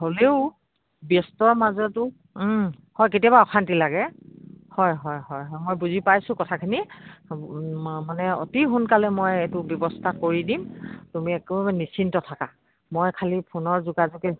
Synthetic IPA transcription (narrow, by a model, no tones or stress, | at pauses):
holeʊ | bjɔstɔɹmazɔtʊ | hɔjketiabaɔxʰantilaɡɛhɔjɦɔjɦɔjɦɔjmojbuzipajsʊ̃kɔtʰakʰini | manɛo̰tiɦʊnkalɛmojetʊbjɔbɔstʰakoɹidimtumiɛkubabɛnisintɔtʰaka | mojkʰalipʰonɔɹzuɡazɔkɛ